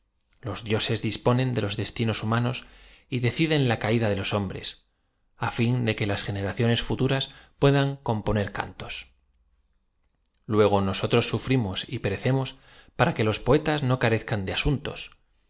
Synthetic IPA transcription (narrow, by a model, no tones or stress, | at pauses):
lo̞zðjo̞se̞zðispo̞nẽ̞nd̪e̞lo̞zðe̞st̪ino̞sumãno̞siðe̞θiðe̞nlakaiðaðelo̞so̞mbɾe̞̰s | afind̪e̞ke̞lasxe̞ne̞ɾaθjo̞ne̞sfut̪uɾaspwe̞ðaŋko̞mpo̞ne̞ɾka̰nt̪o̞̥s | lwe̞ɣ̞o̞no̞so̞t̪ɾo̞sːufɾimo̞sipe̞ɾe̞θe̞mo̞s | paɾake̞lo̞spo̞e̞t̪azno̞kaɾe̞θkand̪easunt̪o̞̰s